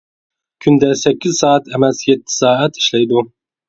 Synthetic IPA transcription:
kʲʰynd̪ɛsɛkʲːizsɑːɛt̪ʰɛmɛsjɛt̪ʰːɪ̥sɑːɛt̪i̥ʃlɛjd̪u

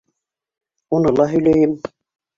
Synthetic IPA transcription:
unɤlˠɑɦɵ̆jlœjɘm

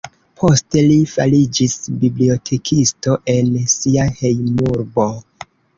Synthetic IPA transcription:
pʰo̞ste̞lifalid͡ʒisbiblio̞tʰe̞kʰisto̞ʔe̞nsiahejmuɾbo̞

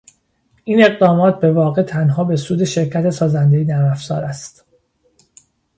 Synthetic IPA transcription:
ʔiːne̞ɣd̪ɒːmɒːt̪̚ʰbe̞vɒːɣe̞t̪ʰænɦɒːbe̞suːd̪e̞ʃe̞ɾcʰæt̪ʰe̞sɒːzænd̪ejed̪æmæfz̥ɒ̰ːɾæst̪

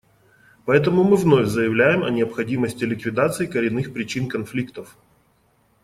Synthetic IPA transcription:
pɐɛt̪əmʊmɨvnofʲzəjɪvlʲæjɪmɐ̰nʲɪəpxɐdʲiməsʲtʲɪlʲɪkvʲɪd̪at̪sɨɪkəɾʲɪnːɨxpɾʲɪt͡ɕinkɐnflʲikt̪əf

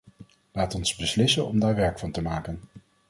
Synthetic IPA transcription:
laːtɔnzbəslɪsənɔmdaːɹʋɛɹkfɑntəmaːkən

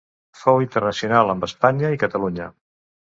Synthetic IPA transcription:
fowint̪ərnəsiunalˠəmbəspaɲəikət̪əluɲə

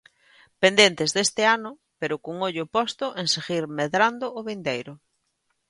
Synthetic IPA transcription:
pend̪ent̪ɪzðest̪ɪanʊ | peɾʊkoŋoʎʊpɔst̪ʊʔenseɣiɾmeðɾand̪ʊːβind̪ejɾʊ

